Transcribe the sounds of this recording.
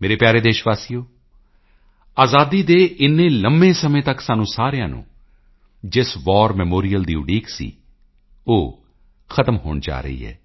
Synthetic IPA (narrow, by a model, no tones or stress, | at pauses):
meːɾeːpjaːɾeːd̪eːʃʋaːsiːjoː | aːzaːd̪iːd̪eːʔɪnːẽːləmbẽːsəmẽːt̪əksaːnũːsaːɾjãːnṵ̃ː | d͡ʒɪsʋɔːɾmɛːmoːɾijəld̪iːʊɖiːksḭː | oː | xʰət̪əmɦo̰ːɳd͡ʒa̰ːɾə̰ḭːɦɛ̰ː